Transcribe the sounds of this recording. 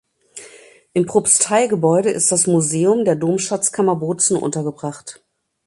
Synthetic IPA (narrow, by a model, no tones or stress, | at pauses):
ʔɪmpʁ̥opstʰaɪɡəbɔʏɾəʔɪ̰st̚d̥asmuzeːʊmdeːɐdoːmʃat͡skʰamɐboːt͡sn̩ʔʊ̰ntɐɡəbʁaχt